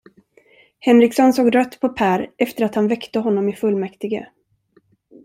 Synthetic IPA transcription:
hɛnɾɪksɔnsoːɡɾœt̪ːpʰɔpʰæːɾɛft̪əɾat̪hanvɛkt̪əɦɔnːɔmɪfɵlːmɛkt̪ɪɡə̰

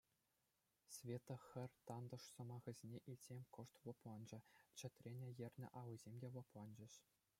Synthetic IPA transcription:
sʲvʲet̪ɤ̆xʲɘ̆rʲt̪ɑnd̪ɤ̆ʂsɤ̆mɑʁɤ̆zʲenʲeʔilʲzʲemʲkɤ̆ʂt̪ʋɤ̆plɑnd͡ʑɘ̆t͡ɕɘ̆t̪ʲrʲenʲĕjɘ̆rʲnʲɘ̰̆ʔɑʋɯzʲemʲdʲeʋɤ̆plˠɑnd͡ʑɘ̆ɕ

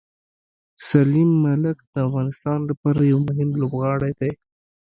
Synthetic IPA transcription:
salimːalɪkd̪̥əafɣɑnɪst̪ɑnlapɑɾajawmʊɦɪmlobɣɑɽejd̪aj

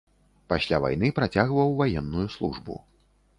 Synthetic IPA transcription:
pasʲlʲava̰jn̪ɨpɾat͡sʲaɣvɐwvajɛnːujuslˠuʐbṵ

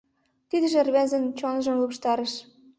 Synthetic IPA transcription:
t̪id̪ə̆ʒĕrβænzə̆nt͡ɕonɤʒɤ̆mlupʃt̪ɑɾə̆ʃ

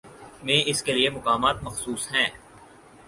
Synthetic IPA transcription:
mẽːʔɪskeliemʊkaːmaːt̪mɐxsuːsɦɛ̃ː

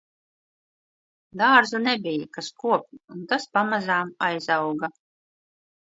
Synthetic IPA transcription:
d̪aːɾzunɛbʲijakaskuɔp̚unt̪aspamazaːmajzawɡa

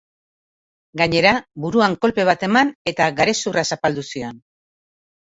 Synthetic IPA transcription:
ɡaɲe̞ɾabuɾuaŋko̞lpe̞β̞at̪e̞mane̞t̪aɡaɾe̞surasapald̪usio̞n

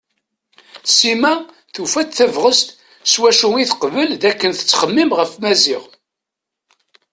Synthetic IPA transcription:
simæ | θufæt̪θævʁəst̪ | swæʃuiθəqvəlðækːənθə̥t͡sːχəmːimʁəfmæzɪʁ

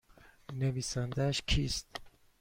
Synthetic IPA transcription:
neviːsænd̪æʃkʰiːst̪

